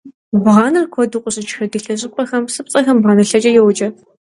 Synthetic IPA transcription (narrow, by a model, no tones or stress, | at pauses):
bʁɑːnɨrkʷʰɔdɨqʷʼʊɕʼɪt͡ʃxɐdɨɬɐɕ̬ʼɪpʷʼɐxɐmsɨp̚t͡sʼɐxɐmbʁɑːnɐɬɐt͡ʃʼɐjɛwt͡ʃʼɐ